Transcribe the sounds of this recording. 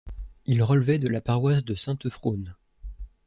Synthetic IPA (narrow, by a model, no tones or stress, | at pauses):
ilʁəlvɛd̪əlapaʁwas̬d̪əsɛ̃t̪fχon